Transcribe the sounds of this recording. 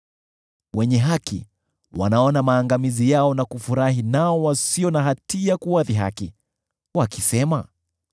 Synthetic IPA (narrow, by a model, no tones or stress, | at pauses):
wɛɲɛɦakḭ | wa̰naɔnamaːŋɡamizijaɔnakufuɾahinaɔwasiɔnaɦatiakuwaðiɦa̰ki | wakisɛma